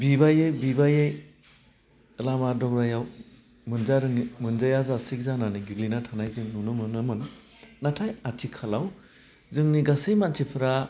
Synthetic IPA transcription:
bibajɯjbibajɯj | ɯlamadɔkɾajaw | mɯnzaɾɯŋimɯnzajazasik̚zananiɡiɡlinatʰanajzɯŋnunɯmɯnɯmɯn | natʰajatʰikʰalaw | zɯŋniɡasejmantʰipʰɯɾa

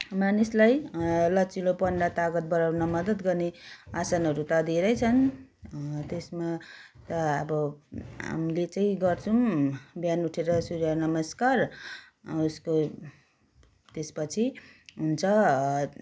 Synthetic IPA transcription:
manislajlʌt͡silopʌɳɖat̪aɡʌt̪̚bʌɾawnʌmʌd̪ʌt̪ɡʌrneasanɦʌɾut̪ʌd̪iɾʌjt͡sʰʌn | t̪esmat̪ʌʌbʌɦa̰mlet͡saĩɡʌrt͡sʰubjanuʈʰeɾʌsuɾanʌmʌskar | usko | t̪espʌt͡sʰiɦunt͡sʰʌ

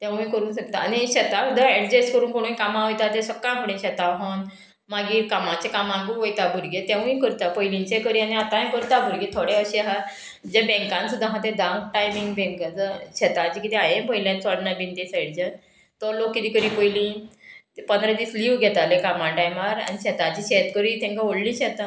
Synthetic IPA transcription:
t̪jãʋuĩkəɾũːnɕək̚t̪aːñiɕɛt̪asud̪ʱaɛɽd͡ʑeskəɾũːnkoɽ̃ũkamaɦojt̪at̪esəkːãmkuɽ̃ẽɕɛt̪aɦon | maɡiːkamãt͡ɕekamãŋɡuɦojt̪abʱuɾɡet̪jãʋuĩkəɾt̪apəjlint͡ɕẽkəɾianiat̪ãẽkəɾt̪abʱuɾɡet̪ʰoɽẽəɕiɦa | d͡ʑabɛ̃ŋkãnsud̪ʱːãɦãt̪ed̪ãwk̚ʈajmĩŋɡbɛ̃ŋkat͡səɕɛt̪at͡ɕiːkit̪iajẽbʱojljãt͡sɔɽnabint̪esəɽd͡ʑa | t̪ɔɾlokːit̪iːkəɾiːpəjlĩ | pənd̪ɾəd̪iːsliʋɡʱɛt̪alekamãɖajmaɾa̰niɕɛt̪at͡ɕiɕet̪kəɾit̪ɛ̃ŋkaoɽlĩɕɛt̪a

